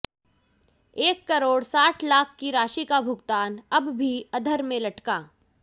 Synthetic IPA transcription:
eːkːɐɾoːɽsaːʈʰlaːkʰːkiɾaːʃikabʱʊɡt̪aːnɐbbʱiɐd̪ʱəɾmẽlɐʈkaː

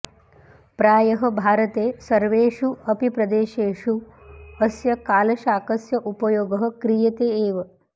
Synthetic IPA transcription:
pɾaːjɐɦɐ̆bʱaːɾɐt̪eːsɐɾʋeːʂuɐpipɾɐd̪eːʃeːʂu | ɐsjɐkaːlɐʃaːkɐsjɐʔupɐjoːɡɐɦɐ̆kɾijɐt̪eːeːʋɐ

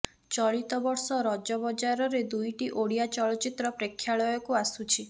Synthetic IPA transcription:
t͡ʃɔɭit̪ɔbɔɾsɔɾɔd͡ʒɔbɔd͡ʒaɾɔɾed̪ujʈiʔoɽijat͡ʃɔɭɔt͡ʃit̪ɾɔpɾekʰːjaɭɔjɔkuasut͡ʃʰi

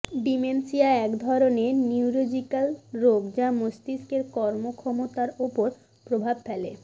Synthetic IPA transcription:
ɖimensiaɛkd̪ʱɔɾoneniuɾod͡ʑikalɾoɡd͡ʑamost̪iskeɾkɔɾmokʰɔmot̪aɾopoɾ | pɾobʱabfɛle

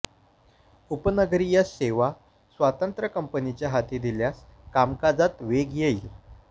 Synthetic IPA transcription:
upənəɡɾijaseʋa | sʋat̪ənt̪ɾəkəmpənit͡ɕjaɦat̪iːd̪iljaskamkad͡zat̪ʋeɡjeil

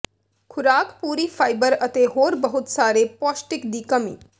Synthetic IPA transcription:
kʰʊɾaːkpuːɾifʰaːɪbəɾət̪eɦoːɾbɐɦʊt̪saːɾepɔːsʈɪkd̪iːkɐmḭː

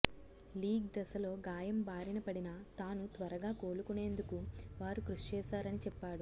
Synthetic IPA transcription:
liːɡd̪ɐsɐlo̞ːɡaːjɐmbaːɾinɐpɐɽinɐt̪aːnut̪ʋɐɾɐɡaːko̞ːlukune̞ːnd̪ukuʋaːɾukɾuʂt͡ʃɛːsaːɾɐnit͡ʃɛpːaːɽu

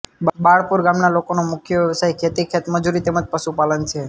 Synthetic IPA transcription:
baɭpuɾɡamnalokonomʊkʰjəʋjəʋəsajkʰet̪ikʰet̪məd͡ʒuɾit̪eməd͡ʒpəʃupalənt͡ʃʰe

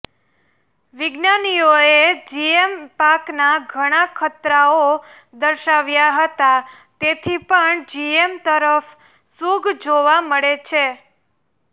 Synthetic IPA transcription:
ʋɪɡnanijoed͡ʒiempaknaɡʱəɽ̃akʰət̪ɾao | d̪əɾʃaʋjaɦət̪a | t̪et̪ʰipəɳd͡ʒiemt̪əɾəf | suɡʱd͡ʒoʋaməɭet͡ʃʰe

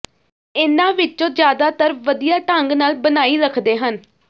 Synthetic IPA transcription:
ɪnãːʋɪt͡ʃːõːd͡ʒjaːd̪aːt̪əɾʋəd̪ijaːʈəŋɡnaːlbənaːiːɾəkʰd̪eːɦən

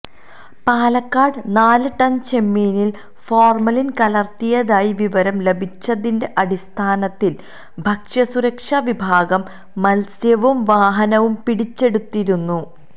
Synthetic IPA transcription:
paːlɐkːaːɖɨnaːlɨʈɐnt͡ɕe̞mːiːnil | foːrmɐlinkɐlɐrt̪ijɐðaːjiʋiʋɐɾɐmle̞bʱit͡ɕːɐðinde̞ʔɐɽist̪ʰaːnɐt̪ːil | bʱɐkʂɐsuɾɐkʂɐʋibʱaːɡɐmː | ɐlsjɐʋumʋaːɦɐnɐʋumpiɽit͡ɕːe̞ɽut̪ːiɾunːu

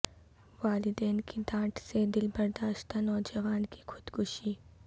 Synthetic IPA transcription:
ʋaːlɪd̪ɛːnkid̪ãːʈsed̪ɪlbɐɾd̪aːʃt̪anɔːd͡ʒɐʋaːnki̥xʊd̪̥kʊʃiː

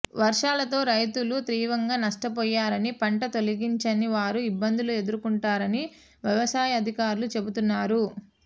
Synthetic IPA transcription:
ʋɐɾʂaːlɐt̪o̞ːɾɐjt̪ulut̪ɾiːʋɐŋɡaːnɐʂʈɐpɔːjːaːɾɐnipɐɳʈɐt̪o̞liɡiɲt͡ʃɐniʋaːɾuibːɐnd̪ulue̞d̪uɾukuɳʈaːɾɐni | ʋjɐʋɐsaːjɐd̪ʱikaːɾulut͡ʃe̞but̪unːaːɾu

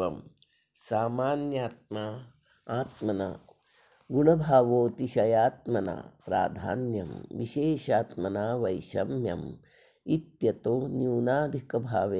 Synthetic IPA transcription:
ɐm | saːmaːnjaːt̪̚ma | aːt̪mɐna̰ | ɡuɳɐbʱaːʋoːt̪iʃɐjaːt̪mɐna̰pɾa̰ːd̪ʱa̰ːnjɐ̰mʋiʃeːʃaːt̪mɐnaːʋɐjʃɐmjɐ̰m | it̪jɐt̪oːnjuːnaːd̪ʱikɐbʱaːʋeː

